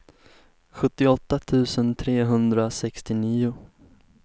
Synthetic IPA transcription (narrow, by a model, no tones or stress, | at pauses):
ɧɵt̪ːɪɔt̪ːat̪ʰʉ̟ːsənt̪ʰɾeːɦɵnd̪ɾasɛkst̪ɪniːʊ